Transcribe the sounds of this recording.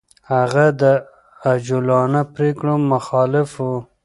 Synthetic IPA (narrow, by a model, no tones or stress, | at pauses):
haɣad̪ə | ad͡ʒulɑnapɾekɽomaxɑlɪfu